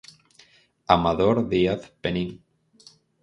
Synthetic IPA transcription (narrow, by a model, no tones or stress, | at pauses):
amaðoɾðiaθpeniŋ